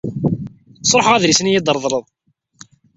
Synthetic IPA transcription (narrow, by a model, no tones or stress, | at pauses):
sˤɾˤħʁæðɾisənjid̪ˤəɾˤðˤɾˤəðˤ